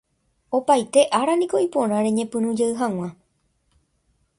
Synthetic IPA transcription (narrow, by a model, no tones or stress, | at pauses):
o̞pajt̪e̞ʔaɾanĩko̞ipõ̞ɾ̃ãɾẽ̞ɲẽ̞pɨ̃ɾũd͡ʒeɨɦãw̃ã